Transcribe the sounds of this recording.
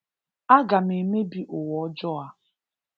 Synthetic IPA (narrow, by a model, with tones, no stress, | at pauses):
a˦ɡa˨me˨me˦bi˦ʔʊ˨wɔ˨˦d͡ʒɔ˦a˦